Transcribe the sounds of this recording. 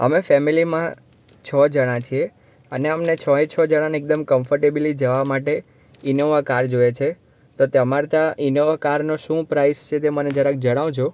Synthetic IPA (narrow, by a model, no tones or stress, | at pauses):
ə̰mefɛmilimã | t͡ʃʰɔd͡ʒəɽ̃ãt͡ʃʰie | əneəmnet͡ʃʰɔɦet͡ʃʰɔd͡ʒəɽ̃ãnek̚d̪əmkəmfʰəɾʈebilid͡ʒəʋamaʈe | inoʋakaɾd͡ʒojet͡ʃʰe | t̪ot̪əmaɾt̪aʔinoʋakaɾnoʃũpɾaist͡ʃʰet̪̬eməned͡ʒaɾak̚d͡ʒəɽ̃aʋd͡ʒʰo